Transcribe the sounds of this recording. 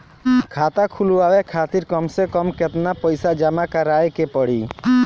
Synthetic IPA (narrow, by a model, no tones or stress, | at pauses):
kʰat̪akʰuluawekʰat̪iɾkɔmsekɔmket̪napɔjsad͡ʒamakaɾajkepɔɽi